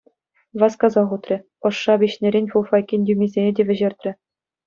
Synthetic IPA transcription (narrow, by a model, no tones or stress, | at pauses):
ʋɑskɑzɑʁut̪rʲɘ̆ | ɤ̆ʂːɑbʲiɕnʲeɾʲenʲfulˠfɑkʲinʲdʲymʲizʲenʲedʲeʋʲɘ̆ʑĕrʲt̪ʲrʲɘ̆